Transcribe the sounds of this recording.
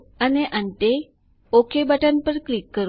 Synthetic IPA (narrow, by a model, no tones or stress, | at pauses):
aneʔãɳʈe | okʰebaʈanpəɾklikːəɾ